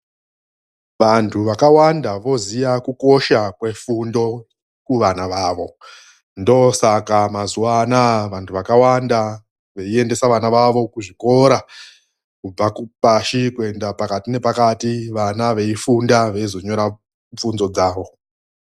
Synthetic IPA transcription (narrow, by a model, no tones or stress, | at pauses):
ʋantʰuʋakawandaʋo̞zijakuko̞ʃakwe̞fundo̞ | kuʋanaʋaːʋo̞ | ndo̞sakamazuwanaʋantʰuʋakawanda | ʋe̞ie̞nde̞saʋanaʋaʋo̞kuʐiko̞ɾa | kub͡vakupaʃikue̞ndapakatine̞pakatiʋanaʋe̞ifundaʋe̞izo̞ɲo̞ɾa | ɱp͡funzo̞d͡zaːʋo̞